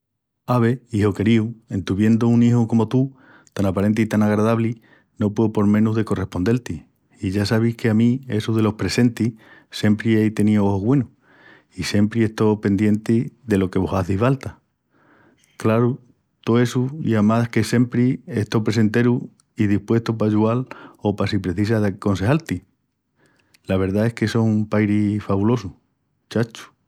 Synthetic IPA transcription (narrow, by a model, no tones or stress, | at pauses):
aβ̞e̞iɦo̞ke̞ɾiuẽ̞nt̪uβje̞nd̪ouniɦoko̞mo̞t̪u | t̪anapaɾe̞nt̪̬iit̪anaɣɾaðaβli | no̞pweopo̞ɾmẽ̞nuɦðe̞ko̞re̞hpo̞nd̪elt̪iː | ʝasaβ̞ihke̞amĩe̞suðe̞lo̞hpɾe̞se̞nt̪ise̞mpɾiejt̪e̞nioooɣwe̞nu | ise̞mpɾie̞st̪o̞pe̞nd̪je̞nt̪iðe̞lo̞ke̞βo̞saθifalt̪a | klaɾu | t̪oe̞sujamake̞se̞mpɾie̞ht̪opɾe̞se̞nt̪e̞ɾu | iðihpwe̞st̪opaʝualo̞pasipɾe̞θis̬aðeko̞nse̞halt̪i | laβ̞e̞ɾðae̞hke̞sohumpajɾifaβulo̞su | t͡ʃat͡ʃu̥